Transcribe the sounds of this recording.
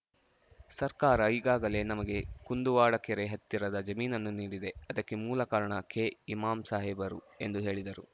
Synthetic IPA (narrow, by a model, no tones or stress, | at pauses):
sɐɾkaːɾɐiːɡaːɡɐle̞nɐmɐɡe̞kund̪uʋaːɽɐkeɾeɦɐt̪ːiɾɐd̪ɐd͡ʒɐmiːnɐnːuniːɽid̪e̞ɐd̪ɐkːe̞muːlɐkaːɾɐɳɐkeimaːmsaːɦebɐɾu | e̞nd̪uɦe̞ːɭid̪ɐɾu